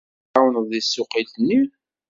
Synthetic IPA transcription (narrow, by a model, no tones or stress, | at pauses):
awənðˤisːʊqilni